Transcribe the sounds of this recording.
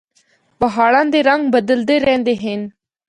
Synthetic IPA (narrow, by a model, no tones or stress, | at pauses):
bəɦaːɭãːnd̪eːɾəŋɡbəd̪əld̪eːɾɛ̃ːnd̪eːɦeːn